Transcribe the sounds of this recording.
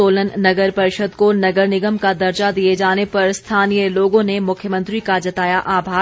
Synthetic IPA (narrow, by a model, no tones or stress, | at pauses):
oːlənːɐɡəɾpɐɾɪʃəd̪konɐɡəɾnɪɡəmkad̪ɐɾt͡ʃad̪ied͡ʒaːnepɐɾst̪ʰaːnijəloːɡõnemʊkʰjəmə̃nt̪ɾikad͡ʒɐt̪aːjaʔaːbʱaː